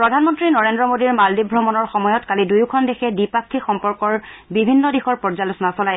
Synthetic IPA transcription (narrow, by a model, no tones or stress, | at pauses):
pɹɔdʱanmɔntɹinɔɹendɹɔmodiɹmaldibʱɹɔmɔnɔɹxɔmɔjɔtkalidujkʰɔndexʰɛdipak̚tʰixɔmpɔɹkɔɹbibʱinːɔdixɔɹpɔɹzalusɔnasɔlaj